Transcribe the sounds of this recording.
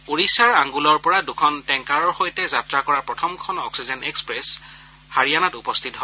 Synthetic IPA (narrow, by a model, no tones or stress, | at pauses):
oɹisaɹaŋɡulɔɹpɔɹadukʰɔntɛŋkaɹɔɹxojtɛzatɹakɔɹapɹɔtʰɔmkʰɔnɔ̰ksizɛnɛkspɹɛs | haɹijanatupɔstʰitɦɔ